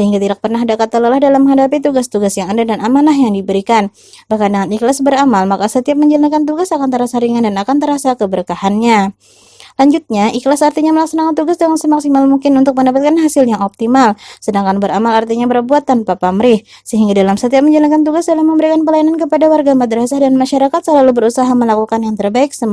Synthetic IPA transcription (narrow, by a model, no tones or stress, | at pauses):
səɦiŋɡat̪idak̚pərnaɦdakat̪aləlahdalamːəŋɦadapit̪uɡast̪uɡasjaŋandadanamanahjaŋdibəɾikan | bahkandəŋaniklasbəɾamalmakasət̪iap̚məɲd͡ʒalankant̪̬uɡasakant̪əɾasaɾiŋandanakant̪əɾasakəbəɾəkahanɲa | laɲd͡ʒut̪̚ɲaiklasart̪iɲaməlaksanakant̪uɡasdaŋansəmaksimalmuŋkɪnunt̪ʊk̚məndapat̪kanɦasɪljaŋɔp̚t̪imalsədaŋkanbəɾamalart̪iɲabərbuat̪ːanpapamɾɪh | səɦiŋɡadalamsət̪iap̚məɲd͡ʒalankant̪̬uɡasdalamːəmbəɾikanpəlajanankəpadawarɡamad̪ɾasahdanmaʃaɾakat̪̚səlalubəɾusaɦaməlakukanjaŋt̪ərbaɪk̚səm